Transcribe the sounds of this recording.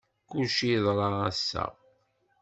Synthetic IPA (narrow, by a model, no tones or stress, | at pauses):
kuʃiðˤɾˤɑæsːæ̰